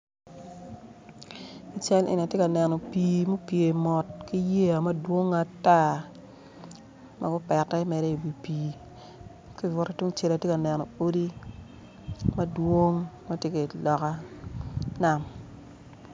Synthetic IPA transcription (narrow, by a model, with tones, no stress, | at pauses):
i˨t͡ʃa˦lʔɪ̰˨n˨a˨tje˦ka˨nɛ˨nɔ˨piː˨mo˦pje˨mɔ˨tki˦je˦a˨mɐ˦dwo˦ŋa˨ta˦ | mʔa̰˦ɡʊ˦pɛ˨tɛ˦ɪ˦mɛ˨ɾɛ˦i˨bi˨piː˨ | kɔ˦i˨vɔ˦ɾa˦tu˦ŋt͡ʃe˦la˨tje˦ka˨nɛ˨nɔ˨o˦di˦ | mɐ˦dwo˦ŋma˦tje˦ke˨lɔ˨ka˦ | na˦m